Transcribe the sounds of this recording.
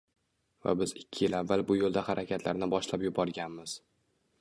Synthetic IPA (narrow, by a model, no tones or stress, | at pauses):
va̰bɪzɪkʲʰːɪjɪlavːalˠbʊjolˠd̪ahaɾʔakʲʰat̪ʰlaɾnɪbɒʃlapjʊbɒɾɡʲanmɪz̥